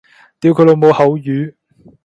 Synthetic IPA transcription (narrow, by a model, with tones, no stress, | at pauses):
t̪iː˨˧wkʰɵ˨˧jlo˨˧wmo˨˧whɐ˨˧˥wjyː˨˥